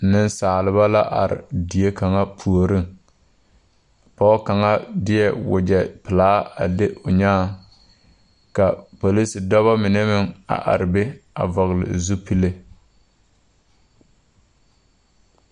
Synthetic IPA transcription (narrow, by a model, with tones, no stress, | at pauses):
nɪ˦n˦saː˨lɪ˨βa˦la˦ʔa̰˨ɾɪ̰˨di˨e˦ka˨ŋa˦pʰu˨o˨ɾɪ˦ŋ | pɔ˦ka˨ŋa˦dɪ˦jɛ˦wʊ̰˨d͡ʒɛ˨pɪ˨laː˦a̰˨dɪ˦ʊ˨ɲaː˦˨ | ka˨po˨li˦si˨dɔ˦βa˦mɪ˨nɛ˦mɪ˦ŋa̰˨ʔa̰˨ɾɪ˨be˦a˨vɔ˨ɣɪ˨lɪ̰˨zu˦pi˦le˦